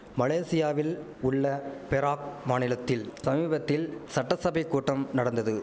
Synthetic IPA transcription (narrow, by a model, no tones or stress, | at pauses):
mɐleːsɪjaːʋɪl | ʊɭːɐpɛɾaːk̚maːnɪlɐt̪ːɪlsɐmiːbɐt̪ːɪlsɐʈːɐsɐbɐɪkːuːʈːɐmnɐɽɐnd̪ɐðɯ